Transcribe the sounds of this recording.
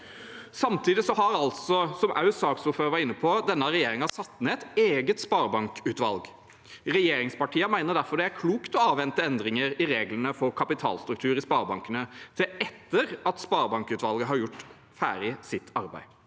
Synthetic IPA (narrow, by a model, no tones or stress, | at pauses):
sɑmt̪ʰiːd̪ɪsɔɦɑɾɑlt̪sɔsɔmʔɑ̰ʉʉsɑːksuføːɾəʋæɾɪnːəpʰɔd̪ɛnːɑɾɛjeːɾɪŋɑsɑt̪ːneːɛt̪eːɡət̪spɑːɾbɑŋkʉːt̪ʋɑlɡ | ɾɛjeːɾɪŋspɑʈʰiːəmæɪnəd̪æɾfɔɖ̪ɛæɾkʰluːkt̪ɔɑːʋʋɛnt̪əɛnd̪ɾɪŋəɾɪɾeːɡlənəfɔɾkʰɑpɪt̪ʰɑ̰ːlst̪ɾʉk̚t̪ʰʉːɾɪspɑːɾbɑŋkənət̪ʰɪɛt̪ːəɾɑt̪spɑːɾbɑŋkʉːt̪ʋɑlɡəɦɑɾjʊʈː | fæ̰ːɾɪsɪt̪ʰːɑɾbæ̰ɪ